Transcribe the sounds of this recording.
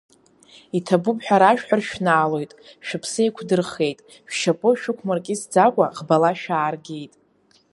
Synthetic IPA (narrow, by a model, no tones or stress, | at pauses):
itʰabupʼħᶣaɾaʃᶣħʷᶣarʃᶣnaːlo̞jtʼʃᶣɪpʰsɨekʷʰdɨrχe̞jtʼ | ʃʷᶣʃapʼɨʃᶣʊkʷʰmarkʲʼɪsd͡zakʷʼaʁbalaʃᶣaːrɡʲe̞jtʼ